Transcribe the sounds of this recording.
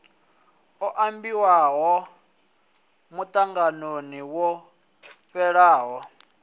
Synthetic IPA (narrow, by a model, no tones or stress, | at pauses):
ɔʔambiwaɦɔ | mut̪ʼaŋɡanoniwɔ | pɛɺaːɦɔ